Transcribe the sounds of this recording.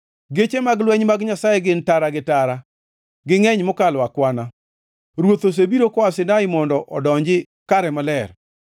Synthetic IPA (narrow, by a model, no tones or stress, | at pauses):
ɡet͡ʃemaɡlwɛɲmaɡɲasajɛɡɪntaɾaɡɪtaɾa | ɡɪŋɛɲmʊkalwakwana | ɾwot̪os̬ebiɾokɔwasɪnaɪmɔndɔʔɔdɔɲd͡ʒɪ | kaɾɛmalɛr